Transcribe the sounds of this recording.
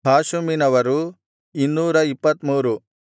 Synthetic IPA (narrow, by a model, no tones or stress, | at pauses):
bʱaːʃuminɐʋɐɾu | inːuːɾɐipːɐt̪muːɾu